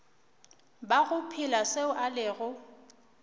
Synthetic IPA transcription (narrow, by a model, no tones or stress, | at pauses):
baɣʊpʰɪlaseʊʔalɪɣʊ